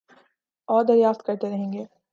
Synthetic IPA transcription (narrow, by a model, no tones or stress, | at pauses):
ɔːɾd̪ɐɾjaːft̪̚kɐɾt̪eɾɐɦẽːŋɡeː